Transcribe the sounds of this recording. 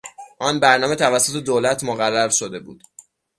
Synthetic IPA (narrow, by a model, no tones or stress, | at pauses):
ʔɒːnbæɾnɒːme̞t̪ʰævæsːot̪ʰe̞d̪oːlæt̪ʰmoɣærːæɾʃod̪e̞bṵːd̪̥